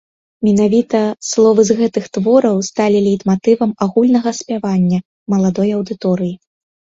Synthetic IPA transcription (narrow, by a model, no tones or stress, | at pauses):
mʲɛnavʲit̪ɐslˠɔvɨzɣɛt̪ɨxt̪vɔɾɐwst̪alʲilʲijt̪mat̪ɨvɐmaɣulʲnɐɣɐsʲpʲavanʲːɐ | mɐlˠad̪ɔjɐwd̪ɨt̪ɔɾɨji